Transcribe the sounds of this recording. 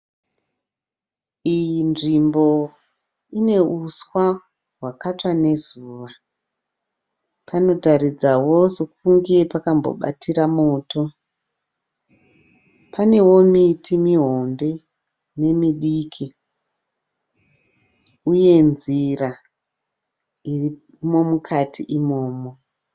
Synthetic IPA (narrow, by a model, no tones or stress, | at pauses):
iinʐimbo̞ | ine̞uswa | ɦwakatwane̞zuːʋa | pano̞tarid͡zawo̞sok̚uŋɡe̞pakambo̰ɓa̰tiɾamoːto̞ | pʰane̞wo̞mitʰimiɦo̞mbe̞ | ne̞miɗiːkʰi | uje̞nzira | iri | mo̞mukʰatʰiʔimo̞ːmo